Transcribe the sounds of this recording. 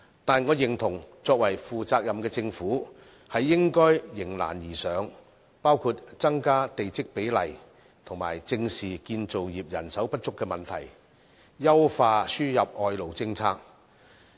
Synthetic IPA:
t̪aː˨˩nŋɔː˨˧jɪ˨˩ŋt̪ʰʊ˨˩ŋt͡sɔː˧k̚wɐ˨˩jfuː˨t͡saː˧k̚jɐ˨mkɛː˧t͡sɪ˧ŋfuː˨˥ | hɐ˨jːɪ˥ŋkɔː˥jːɪ˨˩ŋla̰ː˨˩njiː˨˩sœː˨˧ŋ | paː˥wkʰuː˧t̚t͡sɐ˥ŋkaː˥t̪e˨jt͡sɪ˥k̚pe˨˥jlɐ̰˨˩j | t̪ʰʊ˨˩ŋma̰ː˨˩jt͡sɪ˧ŋsiː˨kiː˧nt͡so˨wjiː˨p̚jɐ˨˩nsɐ˨˥wpɐ˥t̚t͡ʃʊ˥kːɛː˧mɐ˨nt̪ʰɐ̰˨˩j | jɐ˥wfaː˧syː˥jɐ˨p̚ɔː˧jlo˨˩wt͡sɪ˧ŋt͡sʰaː˧k̚

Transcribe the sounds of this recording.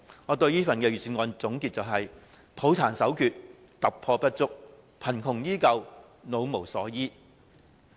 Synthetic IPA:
ŋɔː˨˧t̪ɵ˧ɥjiː˥fɐ˨nkɛː˧jyː˨˩syː˨˧nŋɔː˨˧nt͡sʊ˨˥ŋki˧t̚t͡sɐ˨wɦɐ˨j | pʰo˨˥wt͡sʰaː˨˩nsɐ˨˥wkʰyː˨t̚ | t̪ɐ˨˩p̚pʰɔː˧pɐ˥t̚t͡sʊ˥k̚ | pʰɐ˨˩nkʰʊ˨˩ŋjiː˥kɐ˧w | no˨˧wmo˨˩wsɔː˨˥jiː˥

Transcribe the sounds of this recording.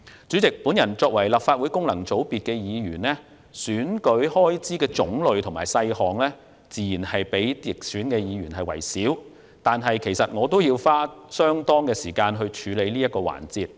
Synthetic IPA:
t͡syː˨˥t͡sɪ˨k̚pu˨˥njɐ˨˩nt͡sɔː˧k̚wɐ˨˩jlaː˨pfaː˧t̚wuː˨˥jkʊ˥ŋlɐ˨˩ŋt͡so˨˥wpiː˨t̚kɛː˧jiː˨˧jyː˨˩nlɛː˥ | syː˨˥nkɵ˨˥ɥhɔː˥jt͡siː˥kɛː˧t͡sʊ˨˥ŋlɵ˨ɥt̪ʰʊ˨˩ŋmaː˨˩jsɐ˧jɦɔː˨ŋlɛː˥ | t͡siː˨jiː˨˩nhɐ˨jpe˨˥jjɪ˨k̚syː˨˥nkɛː˧jiː˨˧ɥyː˨˩nɦɐ˨jwɐ̰˨˩jsiː˨˥w | t̪aː˨nɦɐ˨jkʰe˨˩jsɐ˨t̚ŋɔː˨˧t̪o˥wjiː˧wfaː˥sœː˥ŋt̪ɔː˥ŋkɛː˧siː˨˩kaː˧nɦɵ˧ɥt͡ʃʰyː˨˧le˨˧jliː˥jɐ˥t̚kːɔː˧wa̰ː˨˩nt͡siː˨˧t̚

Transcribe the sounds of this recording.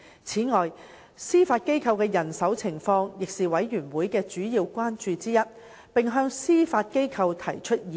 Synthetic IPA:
t͡sʰiː˨˥ŋɔː˨j | siː˥faː˧t̚ke˥jkʰɐ˧wkɛː˧jɐ˨˩nsɐ˨˥wt͡sʰɪ˨˩ŋfɔː˧ŋjɪ˨k̚siː˨wɐ˨˥jɥyː˨˩nwuː˨˥jkɛː˧t͡ʃyː˨˥jiː˧wkʷaː˥nt͡ʃyː˧t͡siː˥jɐ˥t̚ | pɪ˨ŋɦœː˧ŋsiː˥faː˧t̚ke˥jkʰɐ˧wt̪ʰɐ˨˩jt͡ʃʰɵ˥t̚i˨

